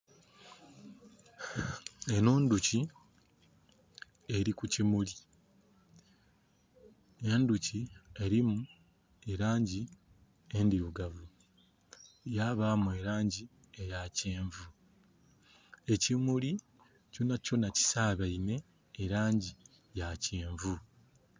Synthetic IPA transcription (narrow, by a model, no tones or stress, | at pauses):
enoːnduci | e̞ɾikucimuli | e̞nducie̞ɾimu | eɾaːɲɟi | endiɾuɡavu | jaβaːmue̞ɾaːɲɟi | ejaceːɱvu | e̞cimuli | cunaco̞naci̥saːβaine̞ː | ɾaːɲɟi | jaceːɱvu